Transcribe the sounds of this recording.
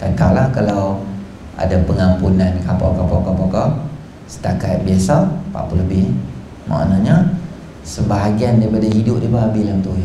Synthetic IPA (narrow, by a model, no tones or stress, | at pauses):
k̪at̪awlahkalaw | a̰dapəŋampunankapakapakapaka | sə̥t̪akat̪̚biasapa̰ʔpuləbɪh | ma̰ʔnaɲa | səbaɦaɡiandaipadaɦidʊp̚daipaabilamt̪uja